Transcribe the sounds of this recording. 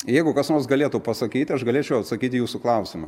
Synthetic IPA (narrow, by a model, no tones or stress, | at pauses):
jɛɪɡʊkɐsnoːrsɡɐlʲeːt̪uːpɐsɐkʲiːt̪ʲɐʃɡɐlʲeːt͡ʃʲɛʊɐt̪sɐkʲiːt̪ʲjuːsʊklˠɐʊsʲɪmɐ